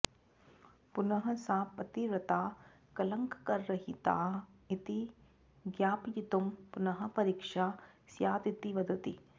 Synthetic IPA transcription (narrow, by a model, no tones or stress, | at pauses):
punɐɦɐsaːpɐt̪iɾɐt̪aː | kɐlɐŋkɐkɐɾːɐɦit̪a̰ːit̪i | ɡjaːpijit̪umpunɐɦɐ̆pɐɾiːkʂaːsjaːd̪it̪iʋɐd̪ɐt̪ḭ